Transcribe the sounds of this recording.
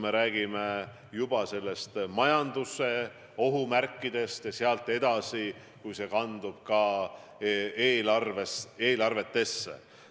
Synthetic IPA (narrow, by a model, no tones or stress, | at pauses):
me̞ɾæːɡ̥ime̞ | jub̥ɑse̞lːe̞st̪mɑjɑnd̪use̞ | o̞ɦumærkːˑid̪̥e̞st̪jɑseɑlt̪ːˑe̞d̪̥ɑsi | kujse̞kɑnd̪̥ub̥̚kɑ | eːlrveseːlɑrve̞t̪ːe̞sːḛ